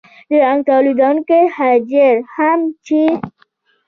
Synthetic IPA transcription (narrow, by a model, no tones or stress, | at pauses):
d̪əaŋɡ̚t̪alid̪ɑnkehad͡ʒəɾhamt͡ʃi